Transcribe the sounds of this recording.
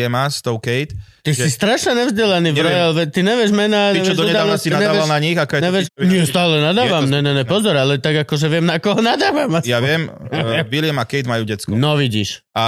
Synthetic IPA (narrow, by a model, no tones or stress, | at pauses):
ɛmast̪ɔʊkɛjt̪ | t̪isist̪ɾaʃɲɛɲɛvzɟɛlaniːvɾɔjalʋɛt̪iɲɛʋɪɛʒmɛnaːɲɛʋɪɛɛʒd̪ɔɛdaanassinaɲɛaʋɪɛalnaɲixakɔɛnɲɛʋɪɛʃɲɪɛst̪aːlɛnad̪aːʋammɲɛɲɛɲɛpɔzɔɾalɛt̪aɡakɔʒɛʋɪɛmnakɔɦɔnad̪aːʋamasjjaʋɪɛmʋilɪɛmakɛjd̪majuːɟɛt͡sknɔʋiɟḭːʃ | a